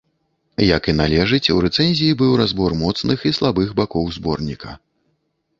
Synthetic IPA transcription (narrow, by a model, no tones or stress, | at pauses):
jɐkinalʲɛʐɨt͡sʲuɾɛt̪sɛnʲzʲijibɨwɾazbɔrmɔt̪snɨxislˠabɨxbakɔwzbɔrnʲikɐ̰